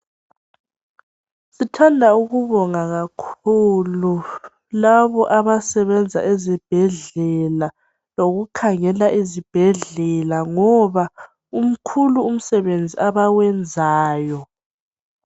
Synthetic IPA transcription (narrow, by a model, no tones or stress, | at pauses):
sitʰandʱauɣuβɔŋaɣakʰulu | laβɔʔaβasɛβɛnd͡zʱa̰ʔɛzɛb̥ʱɛɮɛla | loɣukʰaŋɛlaʔizib̥ʱɛɮɛlaŋɔβa | um̩kʰuluːm̩sɛβend͡zʱiʔaβawɛnd͡zʱaːjɔ